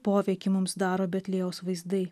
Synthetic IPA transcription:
poːʋʲɛɪkʲɪmʊmsd̪ɑːɾoːbʲɛt̪ʲlʲeːoːsʋɐɪzd̪ɐɪ

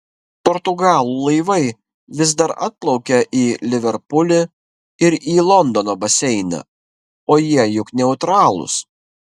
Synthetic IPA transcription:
pɔɾt̪ʊɡɑːlˠuːlˠɐɪʋɐɪ | ʋʲɪzd̪ɐɾɐ̰t̪̚plˠɒʊkʲɛʔiːlʲɪʋʲɛɾpʊlʲɪ | ɪɾiːlˠɔnd̪ɔnoːbɐsʲɛɪnɐ̰ | oːjiɛjʊknʲɛʊt̪ɾɑːlˠʊ̰s

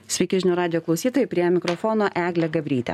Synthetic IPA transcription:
sʲʋʲɛɪkʲɪʒʲnʲuːɾɑːd̪ʲɪjoklˠɒʊsʲiːt̪oːjɛɪpʲɾʲiɛmʲɪkɾofoːnoːʔæːɡlʲɛɡɐbʲɾʲiːt̪ʲɛ̰

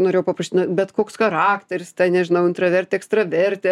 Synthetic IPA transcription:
noːɾʲejɛʊpɐprɐʃʲt̪ʲɪnobʲɛt̪koːksxɐɾɑːkt̪ʲɛɾʲɪst̪ɐɪnʲɛʒʲɪnɐʊɪnt̪ɾɐʋʲɛɾʲt̪ʲɛːɛkst̪ɾɐʋʲɛɾʲt̪ʲe

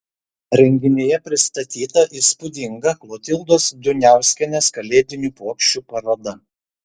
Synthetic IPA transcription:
ɾʲɛŋʲɡʲɪnʲeːjɛpʲɾʲɪst̪ɐt̪ʲiːt̪ɐʔispʊd̪ʲɪŋɡɐklˠoːt̪ʲɪlˠd̪oːsd̪ʲʊnʲæˑʊsʲkʲɛnʲeːskɐlʲeːd̪ʲɪnʲuːpoːkʃʲt͡ʃʲuːpɐɾoːd̪ɐ

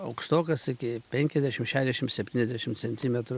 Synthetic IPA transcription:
ɐʊkʃt̪oːkɐsɪkʲɪpʲɛŋʲkʲɛzʲd̪ʲæʃʲɪmʃʲæːʃʲd̪ʲɛʃʲɪmsʲɛpʲt̪ʲiːnʲɛzd̪ʲæʃʲɪmt̪sʲɛnʲt̪ʲiːmʲɛt̪ɾʊ

